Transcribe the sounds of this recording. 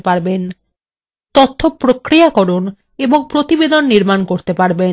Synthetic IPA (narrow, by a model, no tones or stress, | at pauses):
paɾben | t̪ɔt̪ʰːopɾokɾijakɔɾon | eboŋpɾot̪ibed̪ʱonːiɾmankoɾt̪epaɾbe